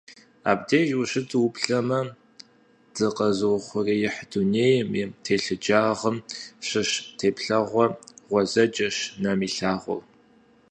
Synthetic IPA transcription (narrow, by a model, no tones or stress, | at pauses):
a̰ːbdeːʒuɕɨt͡sʼwʊpɬɐmɐ | d̥ɨqɐzɨwχʷʊriːjɪħduneːjɪmitʰeːɬɨd͡ʒʼaːʁəmɕɨɕtʰeːpɬɐʁʷɔʁʷɔzɐd͡ʒʼɐɕnɐmiːɬaːʁʷɔ̰w